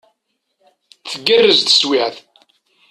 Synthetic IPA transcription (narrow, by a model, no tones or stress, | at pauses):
θəɡːərːəzt̪ə̥swɪʕθ